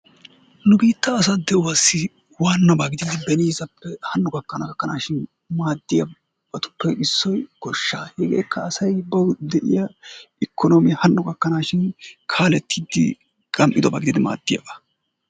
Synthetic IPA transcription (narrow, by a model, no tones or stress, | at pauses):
nʊbiːt̪ːɐːs̬ɐd̪ɛʊwasːɪ | waːnːɐbaɡɪd̪iːd̪ɪbɛniːzɐpːɛhɐnːɔɡɐkːɐnɐɡɐkːɐnaːʃɪn | maːd̪ːɪjɐ | b̥ɐt̪ʊ̥pːɛɪsːɔjɡɔʃːaːhɛɡḛːkːɐːsɐjbɐwd̪ɛʔɪ̰jɐɪkʰːɔnɔmɪhɐnːɔɡɐkːɐnaːʃɪnkʰaːlɛt̪ʰːid̪ːɪ̰ | kʼɐmʔɪd̪ɔba̰ːɡɪd̪id̪ɪma̰ːd̪ːɪjɐ̰bɐ